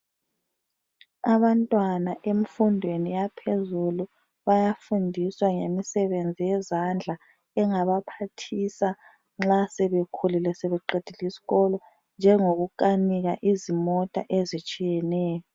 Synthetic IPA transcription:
aβantʼwanaʔem̩fundʱwenijapʰezulu | βajafundʱiswaŋemisɛβend͡zʱijɛzand͡ɮʱa | ɛŋaβapʰatʰisa | ŋ͡ǁasɛβekʰululɛsɛβɛǃed̥ʱilisi̥ɣɔlɔ | nd͡ʒʱɛŋoɣuǃʼaniɣaʔizimɔtʼa̰ʔezit͡ʃʼijɛnɛːjɔ

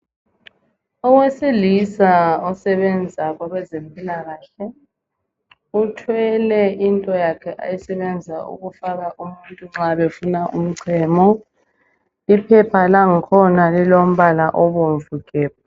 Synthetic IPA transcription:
ɔwesilisaɔsɛβɛnd͡zʱaɣwaɣɛzempʼilaɣaːɬɛ | utʰwɛlɛintʼɔjakʰɛʔa̰jisɛβɛnd͡zʱaṵɣufaɣaʔumuntʼuŋ͡ǁaβefunaʔum̩ǀʰɛːmɔ | ipʰɛpʰalaŋikʰɔnalilom̩βalaʔɔβoɱvukʼɛːβɔ

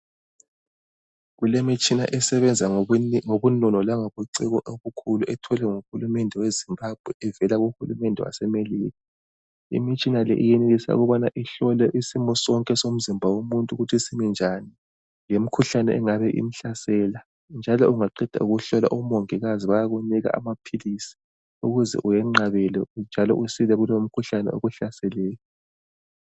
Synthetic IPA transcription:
ɣulemit͡ʃʼina̰ʔɛsɛβɛnd͡zʱaŋoβunɔnɔlaŋoβuǀiɣɔʔoβukʰuluʔɛtʰɔlɛŋuxulumɛndʱɛwezimbab̥ʱwɛɛvɛlaɣuxulumɛndʱɛwa̰sɛmeliːɣa | ḭmit͡ʃʼinalɛ̰ʔijɛneɣisa̰ṵɣɔβanaʔiɬɔlɛʔisimɔsɔŋkʼɛsom̩zimbʱawomuntʼuɣutʰisimɛnd͡ʒʱani | jem̩kʰuɬanɛʔɛŋaβɛʔḭm̩ɬasɛla | nd͡ʒʱalɔuŋaǃid̥ʱa̰uɣuɬɔla̰ʔumoŋiɣaziβajaɣuniɣa̰ʔa̰mapʰilisi̥ | uɣuzɛ̰ʔujɛŋ͡ǀaβɛlɛnd͡ʒʱalɔ̰ʔusilɛɣulom̩kʰuɬanɛ̰o̰ɣuɬasɛlɛːjɔ

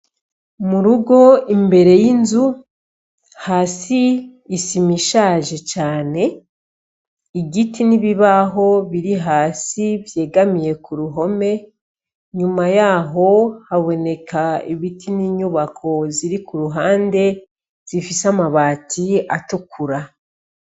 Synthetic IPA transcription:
muɾuɡo̞imbe̞ɾe̞jinzu | haːsiː | simiʃaːʒe̞t͡ʃaːne̞ | iɡitiniβiβaɦo̞βiɾiɦaːsivje̞ːɡamije̞kuɾuɦo̞me̞ | ɲumajaːɦo̞haβo̞ne̞kʰaiβitʰiniːɲuβakʰo̞ziɾikuɾuɦaːnde̞ | z̥ifisamaβaːtʰiatukʰuɾa

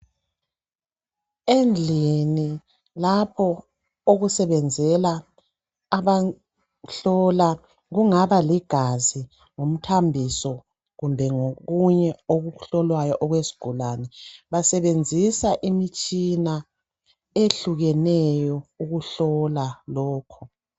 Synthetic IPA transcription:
end͡ɮʱini | lapʰɔ | oɣusɛβɛnd͡zʱɛlaː | βa | ɬɔla | ɣuŋaβaliɡ̥ʱazi | ŋum̩tʰambʱisɔ | ɣumbʱɛŋoɣuɲɛoɣuɬɔlwajɔʔɔɣwesi̥ɡ̥ʱulanɛβasɛβend͡zʱisaʔimit͡ʃʼina | eɬuɣɛnɛjɔuɣuɬɔlalɔːkʰɔ

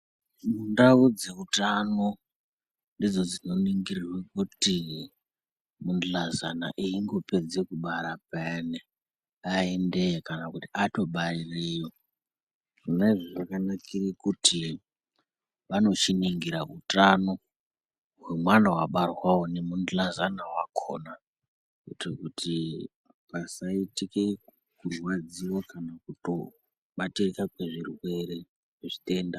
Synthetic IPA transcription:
mundaud͡ze̞utano | ndid͡zo̞d͡zino̞niŋɡirirwekuti | mund͡ɮaza̰na̰ʔiiŋɡo̞pe̞d͡zekuɓaɾapaene | aende̞kanakutiato̞ɓarirejo̞ | ʐineʐiʐakanakirikutʰi | ʋano̞t͡ʃiniŋɡiɾautano | wemwanawaɓarwawone̞mundlazanawakʰo̞̰na | etekutʰi | pasaitike | kurwad͡ziwokanakuto̞̰ | ɓatirekakwe̞ʐirwe̞ɾe | eʐite̞ːnda

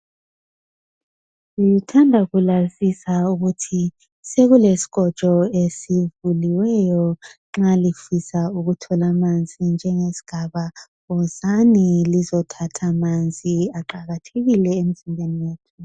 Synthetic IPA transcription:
ujutʰandʱaɣulazisauɣutʰi | seɣulesi̥ɣ̥ʱɔ̥t͡ʃʼɔesivuliwɛjɔŋ͡ǁalifisauɣutʰɔlamand͡zʱind͡ʒʱɛŋesi̥ɡ̥ʱaβa | ɔzanilizɔtʰatʰamand͡zʱiaǃaɣatʰeɣilɛem̩zinbʱeniweːtʰu̥

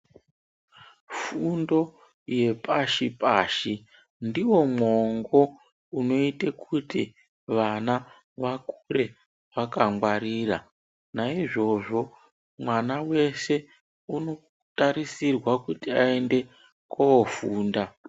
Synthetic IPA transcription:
fundo̞ | je̞paʃipaːʃi | ndiwo̞mwoŋɡo̞ | uno̞itekʰuti | ʋana | ʋakure̞ | ʋakaŋɡwaɾiːra | naiʐo̞ʐo̞ | mwanawe̞se̞ | uno̞ | taɾisirwakutiaende̞ | koofuːnda

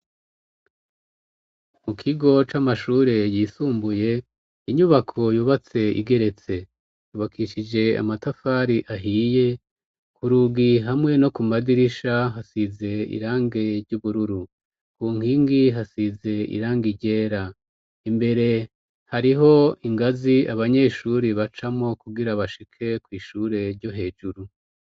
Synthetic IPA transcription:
mukʰiɡo̞t͡ʃamaʃuːɾejiːsuːmbuje̞ | iɲuβakʰo̞juːβat͡se̞ḭɡe̞ɾe̞t͡se̞ | juːβakʰiʃid͡ʒe̞a̰matafaːɾiʔaɦiːje̞ | kʰuɾuːɡiɦamŋe̞no̞kumadiɾiʃaɦasize̞ḭɾaːŋɡe̞ɾɟuβuɾuɾu | kuːŋhiːŋɡiɦasize̞ḭɾaːŋɡiɟe̞ːɾa | imbe̞ɾe̞ | haɾiɦo̞iŋɡaziaβaɲe̞ːʃuɾiβat͡ʃamo̞kuɡiɾaβaʃikʰe̞kwiːʃuːɾe̞ɾɟo̞ɦe̞ːd͡ʒuɾu

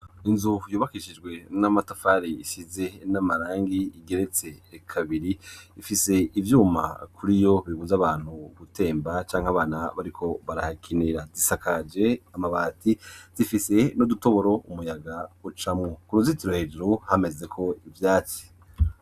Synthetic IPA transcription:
inzujuːβakiʃid͡ʒɡwe̞namatofaɾiiʃize̞namaɾaːŋɡiiɡe̞ɾe̞t͡se̞kʰaβiɾiifise̞ivjuːma̰kʰuɾijo̞βiβuzaβaːn̥huɡute̞ːmbat͡ʃaːŋhaβaːnaβaɾikʰo̞βaɾahakʰiniɾazisakad͡ʒe̞amaβaːtiz̥ifise̞noduto̞βo̞ɾo̞ʔumujaɡaut͡ʃamŋokuɾuzitiɾohe̞ːʒuɾuhame̞ze̞kʰo̞ivjaːt͡si̥

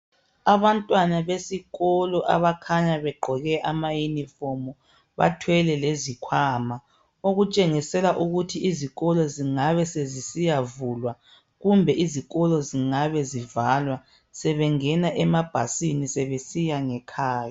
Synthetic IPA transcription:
aβantʼwanaβesiɣɔlɔʔa̰βakʰaɲaβɛɡ͡ǃʱɔɣɛʔamajunifɔmɔ | βa̰tʰwɛlɛlezikʰwaːma | oɣut͡ʃʼeŋisɛlaʔuɣutʰiiziɣɔlɔziŋaβɛsezisijavulwa | ɣumbʱɛʔiziɣɔlɔziŋaβɛzivalwa | sɛβɛŋɛnaʔɛmab̥ʱa̰sinisɛβesijaŋɛkʰaːja

